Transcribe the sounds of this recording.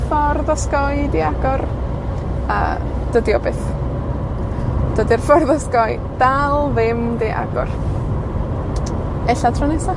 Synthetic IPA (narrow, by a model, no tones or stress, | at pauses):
fɔrðɔskɔjdiaɡ̥ɔr | ə̰ | d̥ədiɔ̰beθ | d̥ədirfɔrðɔskɔj | d̥alˠvɪmdeʔa̰ɡɔ̰r | ɛɬatʰrɔnɛsa